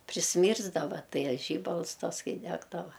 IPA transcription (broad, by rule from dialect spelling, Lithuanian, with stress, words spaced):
pʲrʲɪsʲˈmʲiːrzdɐʋɐ ˈtɐɪ ɐ ˈʒʲiːbɐlˠs ˈtɐs ˈkɐɪ ˈdʲæːɡdɐʋɐ